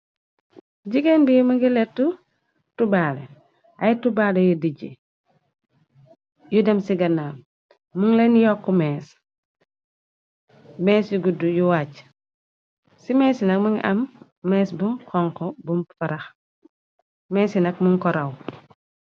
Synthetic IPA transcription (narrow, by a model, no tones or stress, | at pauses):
d͡ʒiɡɛnbijumuŋɡilɛtːu | tubaːlɛ | ɐjtubaːlɛjudiɟi | judɛmsiɡɐnaːm | muŋlɛnjɔkːumɛːs | mɛːsjuɡudujuwaːc | simɛːsinɐk̚muŋʔɐ̰mː | ɛːsbukʰɔŋkɔbumfɐɾɐx | mɛːsinɐkmuŋkɔɾɐw